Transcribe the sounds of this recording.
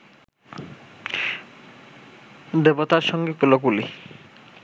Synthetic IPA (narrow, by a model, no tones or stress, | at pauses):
d̪ebot̪aɾʃɔŋɡepulokuli